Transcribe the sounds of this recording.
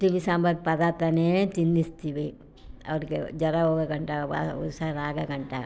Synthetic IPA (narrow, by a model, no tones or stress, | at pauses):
t̪imisaːmbɐk̚pɐd̪aːt̪ɐneːt͡ʃ̪inːist̪iːʋi | ɐ̰ʋɐɾiked͡ʒɐɾaɦoːɡɐɡɐɳʈaba̰ṵsaɾaːɡɐɡɐɳʈa̰